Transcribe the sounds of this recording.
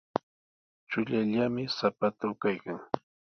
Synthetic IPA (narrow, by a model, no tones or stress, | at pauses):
t͡ʃʊʎaʎamɪsapat̪awkajkaŋ